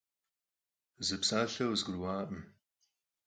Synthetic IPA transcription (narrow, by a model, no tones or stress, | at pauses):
zɨpsaːɬɐwzɡɨɾwaːʔʼm